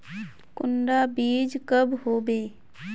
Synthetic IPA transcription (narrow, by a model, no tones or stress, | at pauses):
kʊnɖabiːd͡ʒkəbɦoːbeː